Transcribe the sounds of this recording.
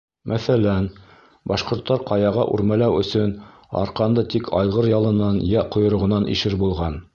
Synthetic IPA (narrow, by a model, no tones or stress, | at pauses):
mʔæθælæn | bɑʃqŏɾt̪ːɑɾqɑjɑʁɑʔʉ̰ɾmælæwɵ̆sɵn | ɑ̰ɾqɑnd̪ɤt̪ikʰɑjʁɤɾjɑlˠɤ̆nɑnjæqŏjŏɾŏʁɤ̆nɑnʔḭʃɘɾbulˠʁɑn